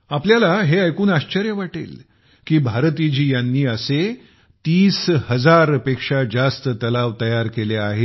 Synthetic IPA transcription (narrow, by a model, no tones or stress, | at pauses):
apljalaɦeajkuːnaɕt͡ɕəɾjəʋaʈḛl | kiːbʱaɾt̪id͡ʑiːjanːiːəse | t̪iːshəd͡zaɾəpekʂad͡zast̪ət̪əlaʋt̪əjaɾkeleaɦe